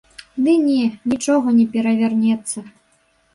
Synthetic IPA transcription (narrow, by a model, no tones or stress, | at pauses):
d̪ɨnʲɛnʲit͡ʂɔɣɐnʲɛpʲɛɾɐvʲarnʲɛt̪sːɐ